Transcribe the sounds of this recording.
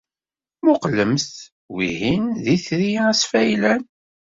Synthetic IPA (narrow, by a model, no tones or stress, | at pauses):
mʊqləmsθ | wḭhinðiθɾisfæjlæn